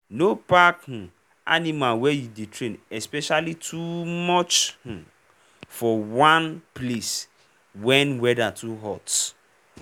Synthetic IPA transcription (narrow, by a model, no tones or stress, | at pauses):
nopakh̩ | a̰nimalwɛjudetʰɹẽnɛspɛʃalitʰumɔt͡ʃh̩ | fɔwãnples | wɛ̃nwɛdatʰuɦɔt